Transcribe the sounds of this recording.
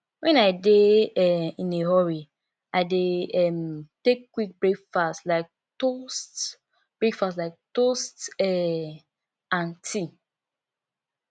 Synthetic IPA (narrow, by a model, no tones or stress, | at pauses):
wɛ̃naɪdeɛĩneɦɔɹi | aɪdeɛmtekːwik̚bɹekfastlaɪk̚ | tost | b̥ɹikfastlaɪk̚tostɛ | ãntʰi